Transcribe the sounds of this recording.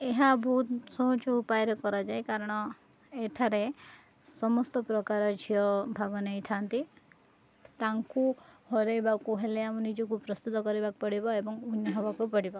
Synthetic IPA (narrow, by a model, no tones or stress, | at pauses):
eɦabʱuːt̪sɔt͡ʃɔupajɾekɔɾad͡ʒajkaɾɔɽ̃ɔ | eʈʰaɾe | sɔmɔst̪ɔpɾɔkaɾɔd͡ʒʰijɔbʱaɡɔnejt̪ʰant̪i | t̪aŋkuhɔɾejbakuɦeleamunid͡ʒɔk̬upɾɔst̪ut̪ɔkɔɾibak̚pɔɽibɔebɔŋunjiɦɔbakupɔɽibɔ